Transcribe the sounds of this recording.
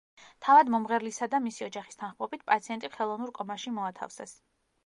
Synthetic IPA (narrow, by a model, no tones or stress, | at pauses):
t̪ʰavad̪mɔmʁɛɾlisad̪amisiɔd͡ʒaχi̥st̪ʰanχmʼɔbit̪̚ʰpʼat̪sʰiɛnt̪ʼiχɛlˠɔvnuɾkʼɔmaʃimɔat̪ʰa̰fsɛs